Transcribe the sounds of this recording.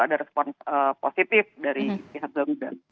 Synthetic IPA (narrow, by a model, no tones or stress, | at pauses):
adaɾɛspɔnsəposit̪ɪfdaɾipiɦak̚ɡaŋuda̰